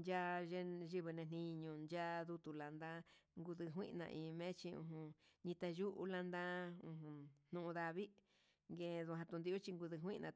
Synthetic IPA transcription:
nd͡ʒa˦ʒe˧ʒi˧βɨ˧nẽ˧n̥ĩ˧ɲũ˧˨nd͡ʒa˦ðu˧t̪u˧la˨nd̪ã˦ŋɡu˧ðɨ˧ɦʷwḭ̃˦ʔnã̰˧ʔĩː˧˨˧mẽ˦t͡ʃi˧ṵ̃˧ɦũ˧ɲĩ˧t̪a˧ʒu˦ʔṵ˧la˧nd̪ã˦ũ˧ɦũ˧n̥nũ˧ũ˧ða˧βi˦ | ŋɡẽ˧ðu˧ɦã˧t̪u˧nd̪i˧u˦t͡ʃi˧ŋɡu˧ðɨ˧ɦʷwĩ˦˧nʔã˧

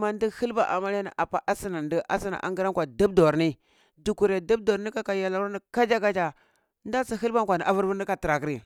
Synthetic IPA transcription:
ma˨ndi˦hi˦lba˨ʔa̰˨ma˦la˦ni˨ʔa˨pa˨ʔa˦si˦na˨ndə˦ʔa˦si˦na̰˨ʔa̰˨ŋɡi˦ɾa˦ŋkʷa˨də˦bdo˨ɾni˦ | du˨ku˨ɾe˨də˦b̚do˨ɾni˦ka˦ka˨ja˨la˨˦ni˨ka˦d͡ʒa˦ka˦d͡ʒa˨ | nda˦t͡si˦ɦi˦lba˦ŋkʷa˨ni˨ʔa˦vu˦ɾvu˦n˦i˦ka˨ti˨ɾa˨kɾi˨

